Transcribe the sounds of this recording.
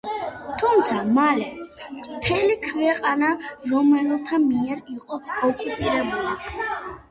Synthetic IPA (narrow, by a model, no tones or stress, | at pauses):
t̪ʰumt̪sʰamalɛmt̪ʰɛlikʰvɛqʼanaɾɔmɛlt̪ʰamiɛɾiqʼɔɔkʼupʼiɾɛbuli